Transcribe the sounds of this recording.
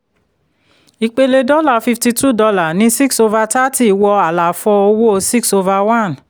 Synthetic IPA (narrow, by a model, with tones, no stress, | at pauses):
i˧k͡pe˧le˧dɔ˦la˦˨fi˧fti˧tu˦˨dɔ˧la˦˨nĩ˦si˦kso˧va˧ta˦ti˦˨wɔ˧a˨la˨fɔ˧o˧wo˦˧si˦kso˧va˧wã˦˨n